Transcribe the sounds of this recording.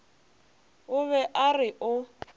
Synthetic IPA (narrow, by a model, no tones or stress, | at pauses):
ʊβɛʔarɪʔʊ